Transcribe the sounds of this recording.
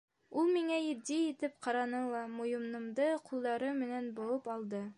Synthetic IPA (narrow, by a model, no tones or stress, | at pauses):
ulˠmiŋæjɘ̆d̪iit̪ɘp̚qɑɾɑnɤlˠɑmujɤ̆mnɤ̆md̪ɤqʰulˠd̪ɑɾɤmɘ̆nænbŏlɤpɑlˠd̪ɤ